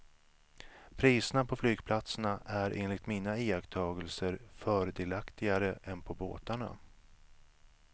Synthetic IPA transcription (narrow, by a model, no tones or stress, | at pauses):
pʰɾiːsənapʰɔflyːɡpʰlat̪sənaʔæɾʔḛːnlɪɡt̪miːnaiːakt̪ʰɑːɡəlsəɾfœːɾəd̪eːlakt̪ɪɡaɾəʔɛnpʰɔbo̰ːt̪aɳa̰